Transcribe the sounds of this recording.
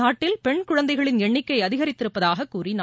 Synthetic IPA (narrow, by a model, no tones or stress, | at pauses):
aːʈːɪlpɛɳkʊɻɐnd̪ɐɪɣɐɭɪnɛɳːɪkːɐɪɐðɪɣɐɾɪt̪ːɪɾɯpːɐðaːɣɐkːuːrin